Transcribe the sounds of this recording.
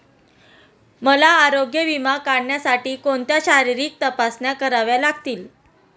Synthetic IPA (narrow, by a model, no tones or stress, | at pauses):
məlaːɾoɡjəʋimakaɽɳjasaʈiːkoɳt̪jaɕaɾiɾiːk̚t̪əpasnjakəɾaʋjalaɡt̪iːl